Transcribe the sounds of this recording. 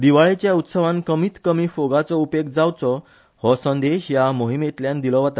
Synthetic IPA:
d̪iʋaɭet͡ɕjaut̪səʋãnkəmiːt̪kəmiːfoɡat͡sɔupeɡd͡zawt͡sɔ | hɔsə̃nd̪eɕjamoɦimet̪ljãnd̪ilɔʋat̪a

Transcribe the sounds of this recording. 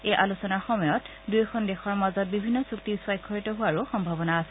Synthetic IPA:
ejʔalusɔnaxɔmɔjɔt | dujxʰɔndexɔɹmazɔt̚bibʱinːɔsuktisʊwajkʰːɔɹitɔɦʊwaɹuxɔmbʱabɔnaːsɛ

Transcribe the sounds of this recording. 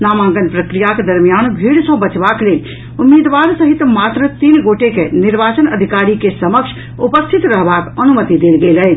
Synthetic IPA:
namãŋɡənpɾəkɾijaked̪əɾmijanbʱiɽsə̃bət͡ʃbaklel | umːid̪ʋaɾsəɦit̪mat̪ɾət̪inɡoʈekeniɾbat͡ʃənəd̪ʱikaɾikesəməkʃʰ | upəst̪ʰit̪ɾəɦbakənumət̪id̪elɡelɛ

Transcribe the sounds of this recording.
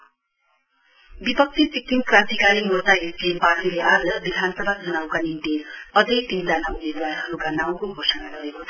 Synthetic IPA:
bipʌk̚t̪isikːiŋkrãnt̪ikaɾimurt̪aɦiɾkebart̪ileʔad͡zʌbid̪ʱanʌsʌbʱad͡zʱʌnawkaninʈ̪iʌd͡zʌjt̪ind͡zanaumed̪waɾɦʌɾukanaw̃koɡʱosʌnaɡʌɾekot̪ʰ

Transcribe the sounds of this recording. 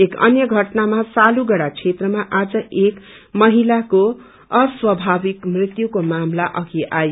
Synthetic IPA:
ekʌ̰njʌɡʱʌʈnamasaluɡʌɽat͡sʰet̪rʌmaʔad͡zʌek | mʌɦilako | ʌswʌbʱabikmrit̪jukomamlaʔʌɡiʔajo

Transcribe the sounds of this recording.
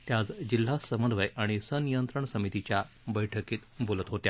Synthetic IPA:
t̪jad͡zd͡ʑil̤ːasəmənd̪ʋəjaɽ̃isənijənt̪ɾəɳsəmit̪it͡ɕja | bəjʈʰəkiːt̪bolət̪ɦot̪ja

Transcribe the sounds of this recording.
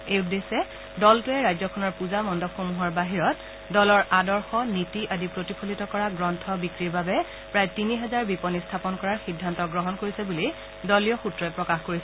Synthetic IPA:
ejudːesɛ | dɔltʊɛɹajzɔkʰɔnɔɹpuzamɔndɔxomuɦɔɹbaɦiɹɔt | dɔlɔɹadɔɹxɔnitiʔadipɹotipʰolitɔkɔɹaɡɹɔntʰɔbikɹiɹbabɛ | pɹajtiniɦɛzaɹbipɔnistʰapɔnkɔɹaɹxidʱːantɔɡɹɔɦɔnkoɹisɛbuli | dɔlijɔxutɹɔɛpɹɔkaxkoɹisɛ

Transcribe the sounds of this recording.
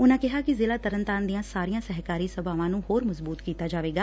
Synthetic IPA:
ʊnãːkɪɦaːkɪzɪːlaːt̪əɾənt̪aːnd̪ijãːsaːɾijãːsɛɦkaːɾiːsəbaːʋãːnũːhoːɾməzbuːt̪kiːt̪aːd͡ʒaːʋeːɡaː

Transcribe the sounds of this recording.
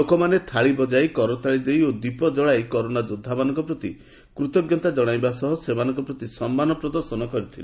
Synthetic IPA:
lokɔmanet̪ʰaɭibɔd͡ʒajkɔɾɔt̪ʰaɭid̪ejod̪ipɔd͡ʒɔɭajkɔɾonad͡ʒod̪ʱːamanɔ̃ŋkɔpɾɔt̪i | kɾut̪ɔɡjɔnt̪ad͡ʒɔɽ̃ajbasɔɦɔsemanɔ̃ŋkɔpɾɔt̪isɔmːanɔpɾɔd̪ɔɾsɔnɔkɔɾit̪ʰile

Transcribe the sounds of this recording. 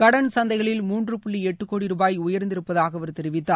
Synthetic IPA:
kɐɽɐnsɐnd̪ɐɪɣɐɭɪlmuːndrɯpʊɭːiɛʈːɯkːoːɽiɾuːbaːjʊjɐɾnd̪ɪɾɯpːɐðaːɣɐʋɐɾt̪ɛɾɪʋɪt̪ːaː

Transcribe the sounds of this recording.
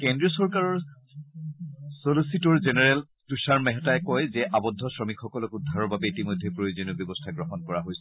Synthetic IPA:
kɛndɹiɔsɔɹkaɹɔɹ | solositɔɹzenɛɹɛl | tusaɹmɛɦɛtajkɔjzɛʔabɔdʱːɔsɹɔmikʰxɔkɔlɔkudʱːaɹɔɹbabɛitimojdʱːepɹojozoniɔbjɔbɔstʰaɡɹɔɦɔnkɔɹaɦojsɛ

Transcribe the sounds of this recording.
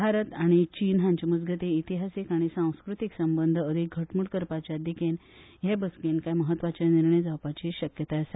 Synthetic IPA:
bʱaɾət̪aɽ̃it͡ɕinɦãɲt͡ɕəmud͡zɡʱət̪iːt̪iɦasikaɽ̃isãw̃skɾut̪iksəmbənd̪ʱəəd̪ʱik̚ɡʱəʈmuɽkəɾpat͡ɕjad̪iken | jebəskenkajməɦət̪ːʋat͡ɕjaniɾɳəjd͡zawpat͡ɕiːɕəkjət̪asa

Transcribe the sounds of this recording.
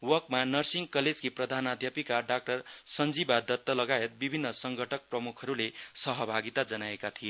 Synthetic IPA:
wʌkmanʌrsiŋkʌled͡zkiprʌd̪ʱanad̪ʱjapikaɖak̚ʈʌrsʌnd͡zibad̪ʌt̪ːʌlʌɡaet̪̚bibʱinːʌsʌŋɡʱʌʈʰʌk̚prʌmukʰʌɾulesʌɦʌbʱaɡit̪ad͡zʌnaekat̪ʰie

